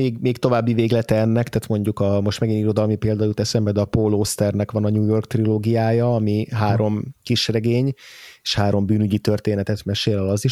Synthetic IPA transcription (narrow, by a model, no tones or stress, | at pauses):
eːɡmeːkt̪o̞vaːbːiveːɡlɛt̪ɛɛnːɛkt̪aːt̪mo̞ɲɟukɒmo̞ʃt̪mɛɡiniɾo̞d̪ɒlmipeːld̪ɒjut̪ɛsɛmbɛd̪ɛɒpoloːst̪ɛrnɛkʋɒnɒɲuːjo̞rkt̪riloːɡijaːjɒɒmiɦaːɾo̞mkiʃrɛɡeːɲeːʃhaːɾo̞mbyːnyɟit̪ørt̪eːnɛt̪ɛt̪mɛʃeːlɒlɒziʃ